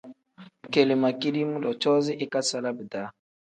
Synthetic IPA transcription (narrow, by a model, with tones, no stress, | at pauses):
ke˨li˨ma˨ki˦di˦mu˦lɔ˨t͡ʃɔ˦zi˦ʔi˦ka˦sa˦la˦bi˨da˨˦